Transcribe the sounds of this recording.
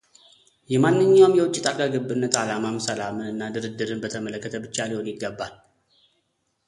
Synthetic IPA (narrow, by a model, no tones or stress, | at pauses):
jɛmanːɨɲːawmjɛwʊt͡ʃʼːɪt̪ʼakʼaɡɨbːɨnːət̪alamamsəlamɨnɨnːad̪ɨɾɨd̪ːɨɾɨnbət̪ʰəmələkːət̪ʰəbɨt͡ʃːalihonjɪɡːəbːal